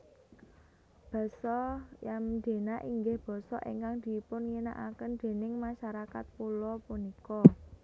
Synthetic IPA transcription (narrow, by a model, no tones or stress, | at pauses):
b̥ɔ̤sɔjamd̪̥e̤naʔiŋɡɪhb̥ɔ̤sɔ̰ʔḛŋkaŋd̪̥i̤pʊnŋina̰ʔakənd̪̥e̤nɪŋmaʃaɾakat̪̚pulɔpunikɔ